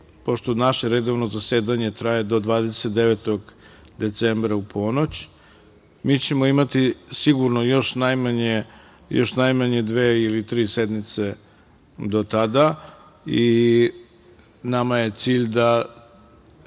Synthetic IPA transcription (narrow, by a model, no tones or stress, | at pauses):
po̞ʃt̪o̞naʃe̞ɾed̪o̞ʋnozaseːd̪aɲe̞t̪ɾaje̞d̪o̞d̪ʋaːd̪eset̪̚d̪eʋet̪o̞ɡ | d̪e̞t̪sembɾaupʰo̞not͡ɕ | miːt͡ɕe̞moimat̪isiɡuɾnojo̞ʃnajmaɲe | jo̞ʃnajmaɲe̞d̪ʋeːilit̪ɾiːsed̪mit̪se̞ | d̪o̞t̪ad̪a | i | namaje̞t̪siːʎd̪a